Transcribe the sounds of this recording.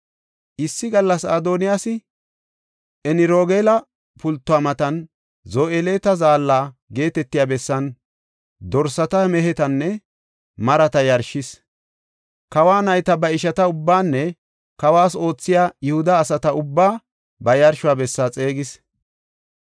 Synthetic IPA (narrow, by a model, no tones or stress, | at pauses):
ʔɪsːɪɡɐlːɐsaːd̪oːnɪjasɪ | ʔɛnɪɾoːɡeːlɐ | pʊlt̪ːʊaːmɐt̪ɐn | zoːʔeleːt̪ɐzaːlːaːɡe̞ːt̪ɛt̪ːɪjaːbɛsːɐn | d̪ɔɾsɐt̪ɐmɛɦɛt̪ɐnːɛ | mɐɾɐt̪ɐjɐɾʃɪs | kɐwaːnɐjt̪ɐbɐɪʃɐt̪ɐʊbːaːnːɛ | kɐwaːso̞ːt͡sːɪjaːjʊhʊd̪ɐːsɐt̪ɐʊbːaː | bɐjɐɾʃʊabɛsːat͡sʼe̞ːɡɪs